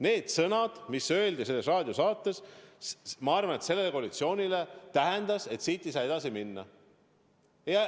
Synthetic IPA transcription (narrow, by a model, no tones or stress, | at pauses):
ne̞ːd̪̥sɤnɑd̪̥misø̞eld̪ise̞lːesrɑːd̪̥ʲjosɑːt̪ːˑe̞s | mɑɑrvɑnet̪se̞lːelːekoːlit̪sio̞ːnʲile̞t̪æɦɛnd̪̥ɑse̞t̪siːt̪ːˑejsɑːe̞d̪ɑsiminːɑ̰ | jɑ